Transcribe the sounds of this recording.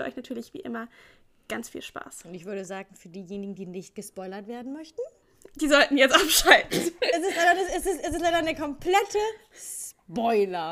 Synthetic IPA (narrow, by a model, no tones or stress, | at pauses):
ʔɔʏçnatʰyːɐlɪçv̥ḭːʔɪ̰mɐ | ɡ̥ant͡sfḭːlʃpa̰ːsʊntɪçv̥ʏɐɾəzaːɡŋ̩fyːɐdiːjeːnɪɡŋ̩diːnɪçt̚ɡ̥əspɔʏlɐtv̥eːɐdn̩mœçtn̩ | d̥iːzɔltn̩jɛt͡stʔapʃaltn̩ɛsɛstlaɪɾɐnəɛsɛstɛstɛstlaɪdɐnəkʰɔmpʰlɛtʰə | s | bɔʏlɐ